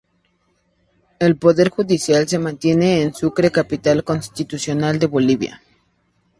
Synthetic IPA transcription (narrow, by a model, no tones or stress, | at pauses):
elpoðeɾxuðisjalse̞mãnt̪jeneːnsukɾekapit̪alkonst̪it̪usjonald̪e̞βoliβja̰